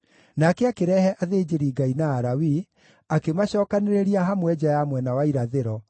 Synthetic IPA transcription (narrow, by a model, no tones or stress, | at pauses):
nakɛakeɾɛhɛʔaðeːd͡ʑeɾiːɡainaːɾawi | akemaɕɔːkaneɾeɾiaɦamwɛd͡ʑajamwɛnawaiɾaðeɾɔ